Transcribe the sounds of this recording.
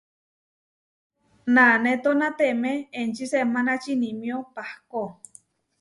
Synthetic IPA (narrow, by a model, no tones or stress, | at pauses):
nanẽt̪onat̪emeːnt͡ʃisemãnat͡ʃinĩmjopahko